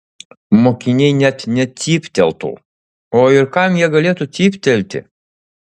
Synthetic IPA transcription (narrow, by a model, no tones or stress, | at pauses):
mokʲinʲejnʲɛt̪ʲnʲɛipʲt̪ʲɛ̰lˠt̪ṵlˠ | oirkɑmjɛɡɐlʲet̪ut̪ʲipʲt̪ʲɛlʲt̪ʲɪ̰